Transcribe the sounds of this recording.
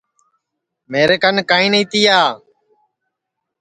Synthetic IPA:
meːɾeːkənkaːĩːnəiːt̪iːaː

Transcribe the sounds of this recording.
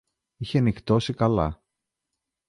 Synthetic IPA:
içenikt̪o̞sikɐlɐ̰

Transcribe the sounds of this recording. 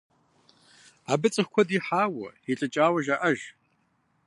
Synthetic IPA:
abɨt͡sʼɨxkʷʰɔdiħaːwɐ̰iɬʼɨt͡ʃʼaːwɐʒaʔɐʒ

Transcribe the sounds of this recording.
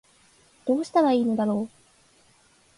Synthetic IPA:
d̪̥o̞ːɕi̥t̪aɾaiːno̞d̪aɾo̞ː

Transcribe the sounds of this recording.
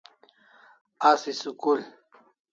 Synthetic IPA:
asisukul

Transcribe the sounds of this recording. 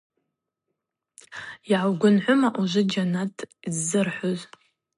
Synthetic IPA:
jiʕawɡʷʊnħʷʊmaʔuʒʷɪd͡ʒanatʰizːɨrħʷʊz

